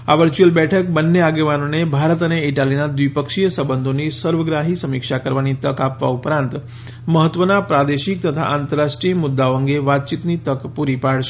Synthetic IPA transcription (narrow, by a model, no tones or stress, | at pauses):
a̰ʋəɾt͡ʃuəlbɛʈʰəkbənːeaɡeʋanonebʱaɾət̪əneiʈalinad̪ʋipəkʃijəsəbənd̪ʱonisəɾʋəɡɾaɦisəmikʃakəɾʋanit̪əkapʋa̰upɾãnt̪ | məɦət̪ːʋənapɾad̪eʃik̚t̪ət̪ʰa̰ʔant̪əɾaʃʈɾijəmud̪ːaoəŋɡeʋat̪̚t͡ʃit̪nit̪əkpuɾipaɽʃe